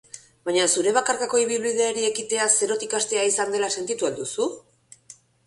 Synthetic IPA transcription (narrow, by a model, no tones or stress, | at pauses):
baɲasuɾe̞β̞akaɾkako̞iβilβið̞e̞ːɾie̞kit̪e̞ase̞ɾo̞t̪ikast̪e̞aisand̪e̞lase̞nt̪it̪uald̪usu